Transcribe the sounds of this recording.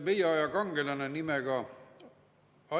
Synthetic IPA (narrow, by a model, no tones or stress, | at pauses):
ʋejɑˑjɑkɑŋɡ̥elɑnenimeɡ̥ɑ | ɑ